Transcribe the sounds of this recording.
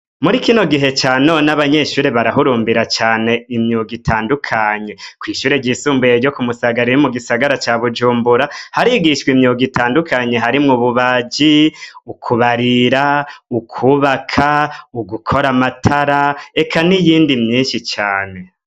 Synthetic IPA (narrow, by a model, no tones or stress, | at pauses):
muɾikino̞ɡiɦe̞t͡ʃaːno̞ːnaβaɲe̞ʃuːɾe̞βaɾaɦuɾuːmbiɾat͡ʃaːne̞imɲuɡitʰaːndukʰaɲe̞kwiːʃuːɾeɟisuːmbujeɾɟo̞kumusaɡaɾiɾimuɡisaɡaɾat͡ʃaβud͡ʒuːmbuɾahaɾiɡiʃkwimɲuɡitaːndukʰaɲe̞ɦaɾimŋuβuβad͡ʒiukʰuβaɾiɾaukʰuβakʰauɡukʰo̞ɾamatʰaɾae̞kʰanijiːndimɲiːnʃit͡ʃaːne̞